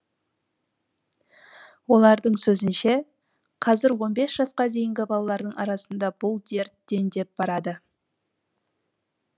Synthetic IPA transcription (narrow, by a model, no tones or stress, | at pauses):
wo̞lˠɑɾd̪əɴsɵzɪnʃe̞ | qʰɑzɪɾwo̞nbe̞sʒ̥ɑsqɑd̪e̞jɪŋɡʲɪbɑlˠɑlˠɑɾd̪əɴʔɑ̰ɾɑsənd̪ɑb̥ʊlˠd̪e̞ɾt̪̚d̪̥e̞nd̪e̞p̚b̥ɑɾɑd̪ə